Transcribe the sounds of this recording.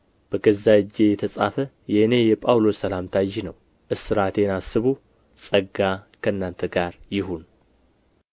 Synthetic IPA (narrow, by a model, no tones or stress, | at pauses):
b̥əɡəzːad͡ʒːe̞jɛt̪ʰəsʼafə | jɛhɨne̞jɛpʼawlo̞sːəlamt̪ʰajːinəw | ʔɨsɨɾat̪enasːɨβu | sʼəɡakʰəɨnːant̪ʰəɡaɾjɪɦun